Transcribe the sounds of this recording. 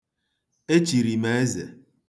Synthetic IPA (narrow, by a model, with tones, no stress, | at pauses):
e˦t͡ʃi˨ɾi˨me˨e˦zḛ˨